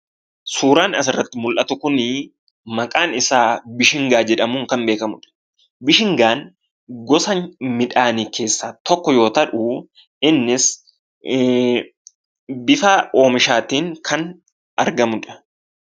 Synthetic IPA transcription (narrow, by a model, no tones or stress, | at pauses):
suːɾaːnɐsɪrːɐt̪ːɪmʊlʔɐt̪ʊkʊnɪ | mɐkʼaːnɪsaːbɪʃɪŋɡaːd͡ʒɛᶑɐmuːŋkɐmbe̞ːkɐmʊᶑɐ̥ | bɪʃɪŋɡaːn | ɡɔsɐŋmɪᶑaːnike̞ːsːaːt̪ɔkːɔjo̞ːt̪ɐᶑʊ | ʔɪnːɪs | bɪfaːo̞ːmɪʃaːt̪iːŋkʰɐn | ʔɐɾɡɐmʊᶑɐ̥